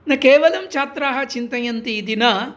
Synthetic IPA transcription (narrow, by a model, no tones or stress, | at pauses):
nɐkeːʋɐlɐmt͡ʃaːt̪ɾaːɦɐt͡ʃint̪ɐjɐnt̪id̪inɐ